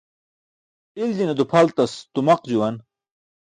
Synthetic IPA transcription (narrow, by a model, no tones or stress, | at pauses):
ild͡ʑined̪upʰɐlt̪ɐst̪umɐqd͡ʑuwɐn